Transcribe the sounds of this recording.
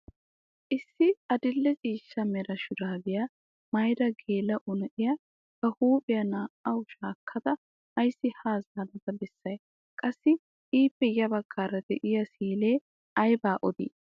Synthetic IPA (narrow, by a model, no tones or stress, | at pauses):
ʔɪsːɪɐd̪ɪlːɛt͡sʼiːʃːɐmɛɾɐʃʊd̪aːbɪjɐ | mɐjd̪ɐɡe̞ːlɐʔʊnɐʔɪjɐ | bɐhuːpʼɪjɐnaːʔɐwʃaːkʰːɐd̪ɐ | ɐjsːɪhaːzaːlɐt̪ɐbɛsːɐj | kʼɐsːɪ | iːpːɛjɐbɐɡ̥ːaːɾɐd̪ɛʔɪjɐsiːleː | ɐjbaːʔɔd̪ḭː